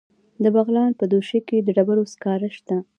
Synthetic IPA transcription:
d̪əbaɣlɑnpəd̪oʃeked̪əɖabaɾoskɑɾaʃt̪a

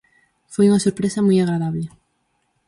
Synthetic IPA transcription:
fojuŋɐsoɾpɾesɐmujaɣɾaðaβlɪ

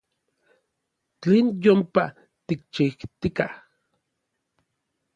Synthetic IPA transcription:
t͡ɬeːnjompa | t̪ik̚t͡ʃiht̪ikah

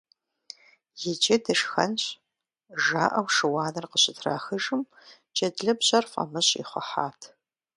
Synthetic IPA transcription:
jɪd͡ʒɐdʰɐʂxɐ̰nɕ | ʒa̰ːʔɐwʂɨwɑːnɐrqəɕɪtʰra̰ːxɨʒɨm | d͡ʒʼɐdɮɐbɕʼɐrfʼɐ̰mɨɕʼḭχʷɔ̰ħaːtʰ

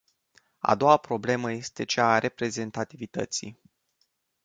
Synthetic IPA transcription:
a̰d̪o̞wapɾo̞ble̞məje̞st̪e̞t͡ʃaːɾʔe̞pɾe̞ze̞nt̪at̪ivit̪ə̰t̪sḭ

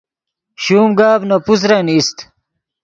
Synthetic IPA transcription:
ɕuːmɡaːbnopus̬ɾɐnist̪

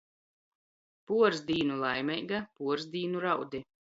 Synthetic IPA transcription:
puɔɾzd̪iːnulˠajmʲɛjɡapuɔɾzd̪iːnuɾawd̪i

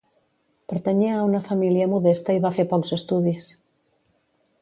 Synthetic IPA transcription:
pəɾt̪eɲiaunɐfamiljɐmuðest̪ɐiβafeɾpɔkzest̪uðis

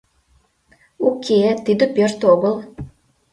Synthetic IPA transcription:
ukʰet̪id̪ə̆pørt̪oɣəl

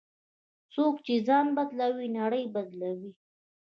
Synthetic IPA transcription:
sokt͡ʃezɑnbad̪lawinaɽəjbad̪lawi

